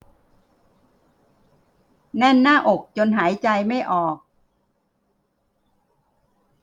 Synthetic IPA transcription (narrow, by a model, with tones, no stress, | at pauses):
nɛ˥˩nːaː˥˩ʔo˨˩k̚t͡ɕo˧nɦaː˩˦jt͡ɕa˧jma˥˩jʔɔː˨˩k̚